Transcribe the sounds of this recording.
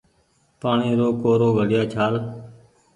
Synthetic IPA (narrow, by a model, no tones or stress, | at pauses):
paːɳiːɾoːkoːɾoːɡʱəɽɪjaːt͡ʃʰaːl